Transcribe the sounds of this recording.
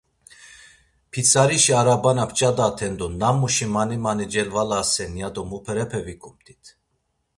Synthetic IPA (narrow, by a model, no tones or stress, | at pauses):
pʰit͡sʰaɾiʃiaɾabanapʰt͡ʃʼad̪at̪ʰɛnd̪unamːuʃimanimanid͡ʒɛlvalasɛnjad̪ɔmupʰɛɾɛpʰɛvikʰʼumt̪ʰʼi̥t̪ʰ